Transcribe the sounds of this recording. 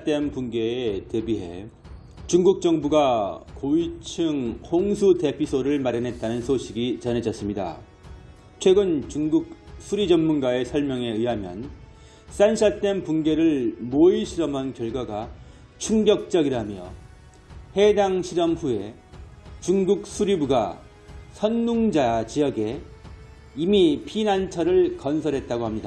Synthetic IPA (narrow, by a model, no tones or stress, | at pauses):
t͈empunɡe̞ːte̞biɦe̞̰ | t͡ɕuŋɡuk̚t͡ɕ͈ʌŋbuɡakoit͡ɕʰɯŋhoŋsʰute̞pʰisʰoɾɯɭmaɾjʌnɦe̞t̚t͈anɯnsʰoɕʰiɡit͡ɕʌne̞d͡ʑʌs͈ɯmɲida̰ | t͡ɕʰwe̞ɡɯnt͡ɕuŋɡuk̚sʰuɾid͡ʑʌnːunɡae̞sʰʌɭmjʌŋe̞iɦamjʌ̰n | s͈ansʰat͈empunɡe̞ɾɯɭmoiɕʰiɾʌmɦankjʌɭɡwaɡa | t͡ɕʰuŋɡjʌk̚t͡ɕ͈ʌɡiɾamjʌ̰ | he̞daŋɕʰiɾʌmɸue̞ | t͡ɕuŋɡuk̚s͈ʰuɾibuɡa̰ | sʰʌnːuŋd͡ʑat͡ɕijʌɡe̞ | imipʰinant͡ɕʰʌɾɯɭkʌnsʰʌɾɦe̞t̚t͈aɡohamɲida